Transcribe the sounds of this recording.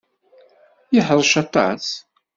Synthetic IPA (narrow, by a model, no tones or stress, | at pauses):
jəħəðˤʃɑt̪ˤɑ̰s